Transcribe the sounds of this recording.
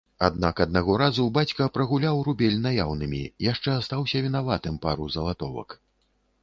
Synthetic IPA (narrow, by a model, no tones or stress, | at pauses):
a̰d̪nakɐd̪̚naɣɔɾazubat͡sʲkɐpɾɐɣulʲawɾubʲɛlʲnajawnɨmʲḭjaʂt͡ʂɛast̪awsʲɐvʲinavat̪ɨmpaɾuzɐlˠat̪ɔvɐ̰k